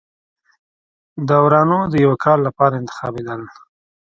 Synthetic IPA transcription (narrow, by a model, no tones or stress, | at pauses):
d̪awɾɑnod̪əjawakʰɑlːapɑɾaɪnt̪ɪ̥xɑ̰bed̪əl